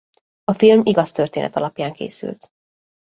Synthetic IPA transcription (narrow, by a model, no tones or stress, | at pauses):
ɒfilmiɡɒst̪ørt̪eːnɛ̰t̪ɒlɒpjaːŋkḛːsy̰lt̪